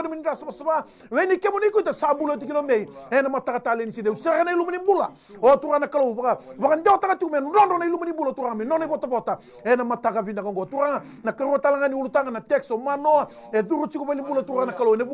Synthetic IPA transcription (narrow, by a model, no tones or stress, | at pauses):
naminidasaβasaβa | wɛnikɛmoniikuitasambulot̬ik̬inomeiɛnamatakatalenisindeusɛɾanailumanimbula | otuɾanakaloβakaβakandɛɔtakatikumɛndɔndɔnailumanimbulatuɾaŋamenɔnaiβɔtaβɔta | ɛnamatakavindakaŋɡotuɾaŋa | nakaɾuatalaŋaniulutaŋanatɛksɔmanɔa | eðuɾut͡ʃikuβalimbulatuɾanakalowɛne